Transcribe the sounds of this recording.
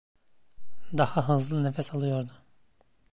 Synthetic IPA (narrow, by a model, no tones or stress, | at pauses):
d̪ahaɦɯzɯnefɛsalˠɯjo̞ɾd̪ʊ